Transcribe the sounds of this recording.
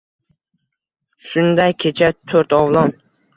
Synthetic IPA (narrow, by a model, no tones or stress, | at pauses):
ʃʊnd̪ajkʲʰet͡ʃʰat̪ʰɵɾt̪ɒvlˠɒn